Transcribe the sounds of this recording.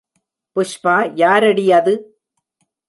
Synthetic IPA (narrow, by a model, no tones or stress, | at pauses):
pʊʂpaːjaːɾɐɽɪjɐðɯ